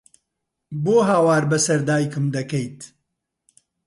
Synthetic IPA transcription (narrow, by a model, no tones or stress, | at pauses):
boːɦaːwaːɾbɐsɐɾd̪aːjkɨmd̪ɐkɐjt̪